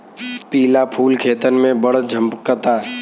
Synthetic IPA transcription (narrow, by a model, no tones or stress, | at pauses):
piːlapʰuːlkʰeːt̪ənmẽbɐɽd͡ʒʱə̃mpkət̪aː